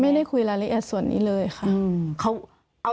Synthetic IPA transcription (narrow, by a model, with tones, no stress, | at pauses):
ma˥˩jda˥˩jkʰu˧jlaː˧li˧˦˥ʔɛː˨˩t̚su˨˩˦ənːḭː˦˥lɤː˧jxʰa˥˩ʔkʰa˦˥w | ʔa˧